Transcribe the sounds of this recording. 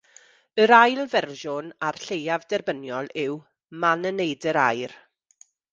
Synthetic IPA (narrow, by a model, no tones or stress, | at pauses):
əɾajlˠvɛrʒʊnarɬejavdɛrbənjɔlˠɪw | manənejdəɾajr